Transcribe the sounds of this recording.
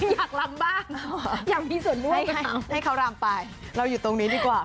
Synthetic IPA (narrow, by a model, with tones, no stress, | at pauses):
jaː˨˩k̚la˨˦˥mbaː˥˩ŋɔ˨˩jaː˨˩k̚miː˧su˨˩˦ənlu˥a˨˩˦ha˥˩jkʰa˨˦wɾaː˧mpaː˧˩j | ɾa˧wjuː˨˩t̪o˧ŋniː˨˦˥diː˧kwaː˨˩